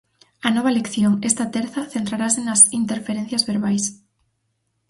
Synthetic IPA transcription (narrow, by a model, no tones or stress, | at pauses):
ɐnɔβ̞ɐlekθjoŋest̪ɐt̪ɛɾθɐθent̪ɾaɾasenɐsint̪eɾfeɾen̟θjɐzβeɾβajs